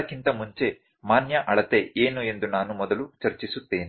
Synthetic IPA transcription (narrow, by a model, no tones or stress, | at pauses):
ɐkint̪ɐmuɲt͡ʃe̞ | maːnjɐʔɐɭɐt̪e̞eːnue̞nd̪unaːnumɔd̪ɐlut͡ʃɐɾt͡ʃisut̪ːe̞ːni